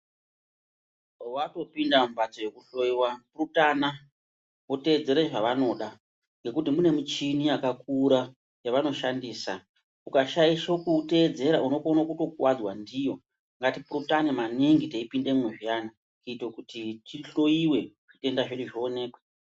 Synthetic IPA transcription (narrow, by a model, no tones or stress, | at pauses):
wato̞pindambat͡soje̞kuɬo̞jiwapurutaːna | ote̞ːd͡ze̞ɾeʐaʋano̞ɗa | ŋɡe̞kutimune̞mut͡ʃiniakak̚uɾa | jaʋano̞ʃandiːsa | ukaʃaiʃakute̞d͡ze̞ɾauno̞konokuto̞kuwad͡zwandijo̞ | ŋɡatipurutanemaniŋɡiteipinde̞mweʐijana | kuitokutitiɬo̞jiwe̞ʐ̥ite̞ndaʐiɗiʐione̞ːkwa